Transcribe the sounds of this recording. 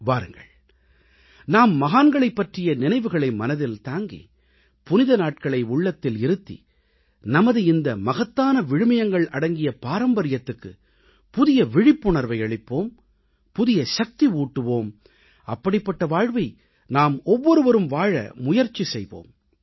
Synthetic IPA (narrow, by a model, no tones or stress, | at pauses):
ʋaːɾɯŋɡɐ̰ɭ | naːmːɐɣaːnɡɐɭɐɪpːɐʈrɪjɐnɪnɐɪʋɯɣɐɭɐɪmɐnɐðɪlt̪aːŋɡḭ | pʊnɪðɐnaːʈ̚kɐɭɐɪʊɭːɐt̪ːɪlɪɾɯt̪ːḭ | nɐmɐðɯɪnd̪ɐmɐɣɐt̪ːaːnɐʋɪɻɯmɐjɐŋɡɐɭɐɽɐŋɡɪjɐpaːɾɐmbɐɾɪjɐt̪ːɯkːɯ̰ | pʊðɪjɐʋɪɻɪpːʊɳɐɾʋɐɪɐɭɪpːoːm | pʊðɪjɐʃɐk̚t̪iuːʈːɯʋoːm | ɐpːɐɽɪpːɐʈːɐʋaːɻʋɐɪ | naːmɔʋːɔɾɯʋɐɾɯmʋaːɻɐ̰mʊjɐɾt͡ʃːisɛjʋo̰ːm